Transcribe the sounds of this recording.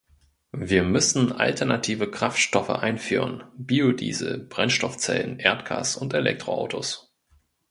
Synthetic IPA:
viːɐmʏsn̩ʔa̰ltʰɛɐnatʰiːvəkʁ̥aftʃtɔfə̰ʔaɪnfyːʁənbiodḭːzəb̥ʁɛnʃtɔft͡sɛ̰lənʔeːɐtɡ̥a̰ːsʊntelɛ̰k̚tʁ̥oʔa̰ʊtʰos

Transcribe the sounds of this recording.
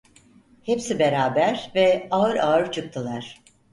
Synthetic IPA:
hepsibeɾaːbæɾvɛaɯɾaɯɾt͡ʃʰɯk̚t̪ʰɯlˠaɾ̥

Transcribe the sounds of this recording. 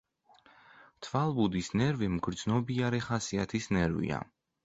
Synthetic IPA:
t̪ʰvalˠbud̪isnɛɾvimɡɾd̪znɔbiaɾɛχasiat̪ʰisnɛɾvḭa̰

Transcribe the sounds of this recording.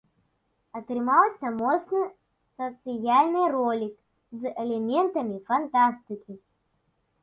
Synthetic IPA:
ɐt̪ɾɨmawsʲɐmɔt̪snɨ | sɐt̪sɨjalʲnɨjrɔlʲik | zʔɛlʲɛmʲɛnt̪ɐmʲifɐnt̪ast̪ɨkʲi

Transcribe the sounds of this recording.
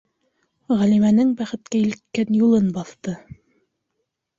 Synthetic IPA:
ʁælimænɘŋbæχɘ̆t̪kæilkkːænjulˠɤnbɑθt̪ɤ

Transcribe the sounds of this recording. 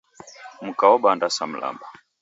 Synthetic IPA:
m̩kawɔɓandasam̩lʔa̰mba

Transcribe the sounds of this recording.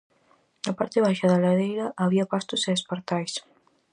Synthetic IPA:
nɐpaɾt̪eβ̞ajʃaðalaðejɾɐʔaβiɐpast̪oseðespeɾt̪ajs

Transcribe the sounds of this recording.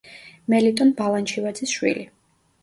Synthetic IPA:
mɛlit̪ʼɔnbalˠant͡ʃʰivad̪zisʃwḭli

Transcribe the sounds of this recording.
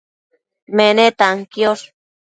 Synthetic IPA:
menet̪aŋkjos

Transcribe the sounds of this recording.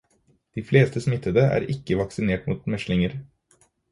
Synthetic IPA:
d̪̥iːfleːst̪ʰəsmɪt̪əd̪əæ̰ːɾɪkəʋɑksɪneːʈmṵːt̪mɛʃlɪŋəɾ

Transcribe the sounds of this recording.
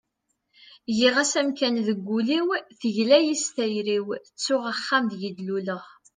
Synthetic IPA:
jiʁæsæmkænðəɡʷːuliwθəʝlæjist̪æjɾiwt͡sːʊʁaχːamðjəd̪luləʁ

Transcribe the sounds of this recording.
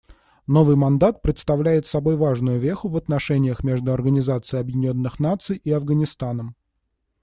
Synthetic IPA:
no̞vɨjmɐnd̪at̪̚pɾʲɪt̪st̪ɐvlʲæjɪt̪sɐbo̞jvaʐnʊjʊvʲexʊvɐt̪nɐʂɛnʲɪjəxmʲe̞ʐd̪ʊɐrɡənʲɪzat̪sɨjɐbjɪdʲɪnʲo̞nːɨxnat̪sɨjʔiɐvɡənʲɪst̪anəm

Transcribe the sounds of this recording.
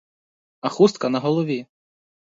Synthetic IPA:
ɐxust̪̚kɐnɐɦɔlˠɔʋʲi

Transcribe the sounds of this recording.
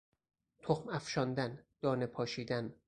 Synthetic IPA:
t̪ʰoxmæfʃɒnd̪ænd̪̥ɒːnepʰɒːʃiːd̪æn

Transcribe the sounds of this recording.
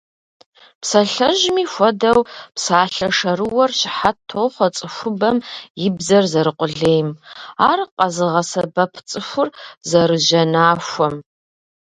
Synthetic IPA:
psɐɬɐʒmiːxʷɔdɐwpsaːɬɐʂɐɾɨwɐrɕɪħatʰoːχʷɐt͡sʼɨxʷʊbɐmjɪbzɐrzɐɾɨqʷʼʊɮeːjmaːrqʼɐzɨʁɐsɐbɐpʰt͡sʼɨxʷʊrzɐɾɨʒɐnaːʃʷɔm

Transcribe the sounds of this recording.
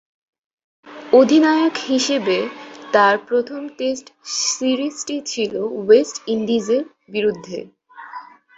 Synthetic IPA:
od̪ʱinaeokhiʃebet̪aɾpɾot̪ʰomʈesʈsiɾisʈit͡ɕʰilowesʈinɖid͡ʑeɾ | biɾud̪ʱːḛ

